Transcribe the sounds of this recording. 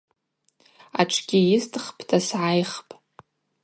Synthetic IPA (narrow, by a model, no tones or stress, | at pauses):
a̰ʈ͡ʂʰɡʲɪjɪstʰʼɨχpʼʰtʰasʕajχpʼ